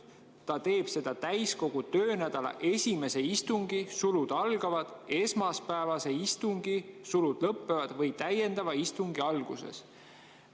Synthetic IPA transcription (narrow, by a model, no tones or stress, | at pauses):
t̪ɑt̪e̞ːb̥se̞d̪̥ɑt̪æjsko̞ɡ̥ut̪ø̞ːnæd̪ɑlɑ̰ʔe̞sʲime̞se̞ist̪uŋɡ̥isulud̪̥ɑlɡ̥ɑvɑd̪̥e̞smɑspæevɑse̞ist̪uŋɡ̥isulud̪̥lɤpːe̞vɑd̪̥vɤjt̪æje̞nd̪ɑvɑist̪uŋɡ̥iɑlɡ̥use̞̰s